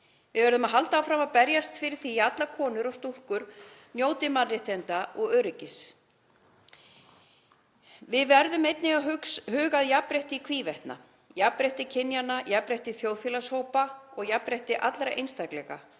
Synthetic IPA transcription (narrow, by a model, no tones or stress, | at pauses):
vɪðvɛɾðʏmaðɦalt̪aawfɾamaðpɛɾjast̪fɪɾɪθiat̪lakʰɔːnʏɾɔst̪uhkʏɾ̥ | njoːwt̪ɪmaɪht̪ɛnt̪aʔɔɣœːɥɾɪcɪs | vɪðvɛɾðʏmejt̪nɪɣaɦʏkshʏːɣaðjapɾɛht̪ɪikʰviːvɛht̪na̰ | japɾɛht̪ɪcʰɪnjanːajapɾɛht̪ɪθjowðfjɛlashoːwpaɔɣjapɾɛht̪ɪʔat̪lɾaʔḛjnst̪aklɛɣa̰